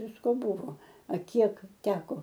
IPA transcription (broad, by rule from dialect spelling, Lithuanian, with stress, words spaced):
ˈʋʲɪskoː ˈbʊʋoː ɐ ˈkʲiɛk ˈtʲæːkoː